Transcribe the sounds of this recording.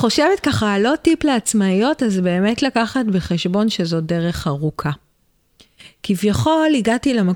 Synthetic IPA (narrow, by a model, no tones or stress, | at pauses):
χo̞ʃevetkaχalo̞tipleat͡smaijo̞tazbe̞ːme̞tlakaχatbeχeʃbo̞nʃezo̞deʁe̞χaʁukʰa | kivjaχo̞liɡatilama